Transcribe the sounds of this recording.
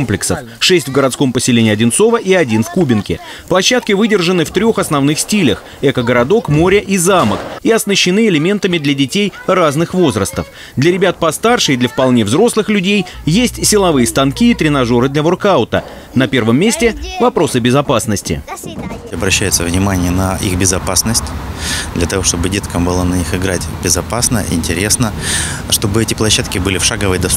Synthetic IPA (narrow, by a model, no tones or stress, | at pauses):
mplʲɪksəf | ʂɛsʲtʲvɡəɾɐt̪sko̞mpəsʲɪlʲenʲɪːɐdʲɪnt̪so̞vəʔiɐdʲinfkubʲɪnkʲɪ̰ | plˠɐɕːat̪kʲɪvɨdʲɪrʐɨnɨft̪ɾʲoxɐsnɐvnɨxsʲtʲilʲəx | ɛkəɡəɾɐd̪o̞kmo̞ɾʲəʔizaməkiɐsnəɕːɪnɨɪlʲɪmʲe̞nt̪əmʲɪd̪lʲɐdʲɪtʲejraznɨxvo̞zɾəst̪əf | d̪lʲɐɾʲɪbʲat̪̚pɐst̪arʂɨjd̪lʲɐfpɐlˠnʲe̞vzɾo̞slˠɨxlʲʉdʲejjesʲtʲsʲɪlˠɐvɨjəst̪ɐnkʲiːt̪ɾʲɪnɐʐo̞ɾɨd̪lʲɐvorkaʊt̪ə̰ | nɐpʲe̞rvəmʲːesʲtʲɪvɐpɾo̞sɨbʲɪzɐpasnəsʲtʲɪ̰ | ɐbɾɐɕːæjʊt̪səvnʲɪmanʲɪjənəʔixbʲɪzɐpasnəsʲtʲd̪lʲɐt̪ɐvo̞ʂt̪o̞bɨdʲe̞t̪kəmbɨlˠanɐnʲixɪɡɾatʲbʲɪzɐpasnə̰ʔɪ̰nʲtʲɪɾʲesnə | ʂt̪o̞bɨɛtʲɪplˠɐɕːat̪kʲɪbɨlʲɪfʂaɡəvəjd̪ɐ